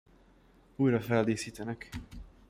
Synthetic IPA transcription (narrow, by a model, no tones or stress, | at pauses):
uːjɾɒfɛld̪eːsiːt̪ɛnɛk